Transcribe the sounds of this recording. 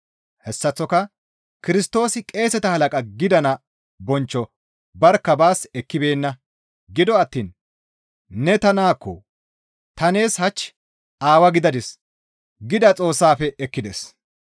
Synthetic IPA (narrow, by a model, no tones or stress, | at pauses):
hɛsːɐt͡sːɔkɐ | kɪɾɪst̪o̞ːsɪkʼe̞ːsɛt̪ɐhɐlɐkʼɐɡɪd̪ɐnɐ | bɔnt͡ʃːɔ | bɐɾkːɐbaːsɛkːɪbe̞ːnːɐ | ɡɪd̪ɔɐt̪ːiːn | nɛt̪ɐnaːkːɔ̰ | t̪ɐne̞ːshɐt͡ʃː | aːwɐɡɪd̪ɐd̪ɪs | ɡɪd̪ɐt͡sʼo̞ːsːaːfɛɛkːɪd̪es